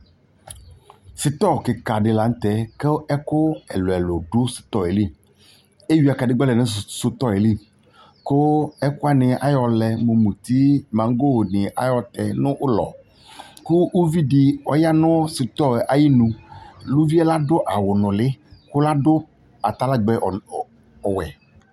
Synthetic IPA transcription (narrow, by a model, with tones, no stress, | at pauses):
sɪ˨t̪ɔ˦˨kɪ˨ka˨ɖɪ˨la˨ŋ˦t̪ɛ˦ke˦ɛ˦kʊ˦ɛ̰˨lo˨ɛ˨lʊ˨ɖʊ˦sɪ̥˨t̪ɔ˦˨e˨li˦˨ | e˦wi˨˦a˨ka˨ɖɪ˦ɡ͡bɔ˦lɛ˨nɪ̃˦˨sʊ˦t̪ɔ˦e˨li˦˨ | kʊ˦ɛ˦kʊ˦a˦nɪ̃˨ʔa̰˦jɔ˨lɛ˨mo˨mũ˨t̪i˦mã˨ŋ˦ɡo˦wo˨nɪ̃˨ʔa˦jɔ˨t̪ɛ˨nʊ̃˦ʔʊ˦lɔ̰˨ | ku˦wo˦vi˦ɖɪ˨ɔ˦ja˦nʊ̃˦sɪ˨t̪ɔ˦˨ʔa˨ji˦nũ˨lu˦vi˦ɛ˦la˦ɖʊ˦ʔa˨wʊ˨nʊ̃˨lɪ˦kʊ˦la˦ɖʊ˦ | a˨t̪a˦la˦ɡ͡bɛ˨ | ɔ˨wɛ̰˨